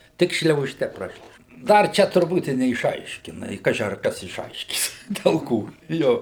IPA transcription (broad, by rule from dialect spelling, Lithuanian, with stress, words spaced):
ˈtʲɪk ʃʲlʲɛʊˈʃʲtʲɛ ˈprɑːʃʲlʲɛʊʒʲɛ ˈdɐr ˈt͡ʃʲɛ tʊrˈbuːt ɪ nʲɛɪʃˈɐɪʃʲkʲɪnɐ ɪ ˈkɑːʒʲɪ ɐr ˈkɐs ɪʃˈɐɪʃʲkʲiːs dʲɛlˠ ˈkoː ˈjoː